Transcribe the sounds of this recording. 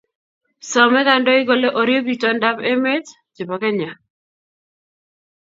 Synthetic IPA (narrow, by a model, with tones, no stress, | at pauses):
sɔ˨mɛ˦ka˦ndɔ˦ɪ˦ɡo˦le˦ʔo˨ɾjo˦bi˨tɔ˦nda˦be˦me˦t | d͡ʒe˨pa˨kɛ˦ɲa˨